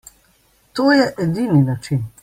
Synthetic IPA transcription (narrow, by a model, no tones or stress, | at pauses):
t̪oːjɛʔɛd̪ininat͡ʃin